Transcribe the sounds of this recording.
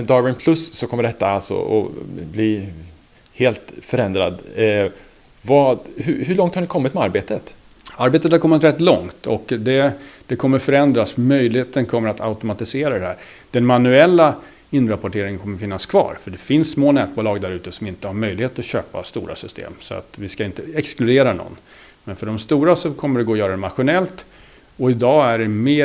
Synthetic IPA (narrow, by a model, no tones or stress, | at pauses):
ɛd̪ɑvɪnpʰlɵsːɔkʰɔmːəɖɛt̪ːaalsɔ̰ɔ̰bli | heːlt̪fœɾɛnd̪ɾa̰d̪ | vɑhɵɦɵɭɔŋt̪haɳɪkʰɔmːɪt̪mɛaɾbeːt̪ət̪ | aɾbeːt̪ət̪haɾkʰɔmːɪt̪ɾɛt̪ːlɔŋt̪ɔkd̪ɛd̪̥ɛkʰɔmːəɾfœɾɛnd̪ɾasmœjlɪheːt̪ənkʰɔmːəɾat̪ʰa̰ʊt̪ʊmat̪ɪseːɾad̪ɛhæ̰ːɾ | d̪̥ɛnmanɵɛlːa | ɪnːɾapɔʈeːɾɪŋənkʰɔmːəɾfɪnːaskʰvɑ̰ːɾfœɖɛfɪnsːmoːnɛːt̪̚bʊlɑːɡd̪æɾʉ̟ːt̪əsɔmɪnt̪əhaɾmœjlɪheːt̪ɔɕø̰ːpa̰st̪ṵːɾa̰sʏst̪ʰḛːmsɔa̰t̪vɪskaɪnt̪əɛksklɵd̪eːɾanɔ̰nː | mɛnfœɖɔmst̪uːɾasɔkʰɔmːəɖɛɡoːjœːɾad̪ɛmaɧʊnɛlt̪ | ɔɪd̪ɑːæɖɛmeː